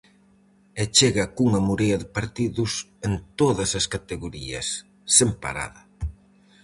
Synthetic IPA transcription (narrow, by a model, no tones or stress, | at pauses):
et͡ʃeɣɐkuŋɐmuɾejɐðɪpaɾt̪iðʊs | ent̪oðɐsɐskat̪eɣoɾiɐsː | empa̰ɾa̰ðɐ